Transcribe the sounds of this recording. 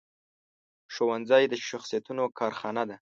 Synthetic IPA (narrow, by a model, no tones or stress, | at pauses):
ʃowanzɑjd̪əʃaxsijat̪unokʰɑɾxɑnad̪a